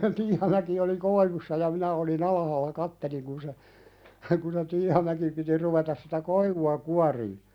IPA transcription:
tiːhɑmæki oli koiʋusːɑ jɑ minæ oˑlin ɑlɑhɑːlːɑ kɑtːeliŋ kun se kun se tiːhɑmæki piti ruʋetɑs sitæ koiʋuɑ kuɑriː

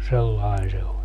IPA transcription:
selːɑin se olʲ

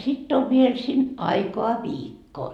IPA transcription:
sitː oʋ ʋiel sin ɑikoɑ ʋiːkːo

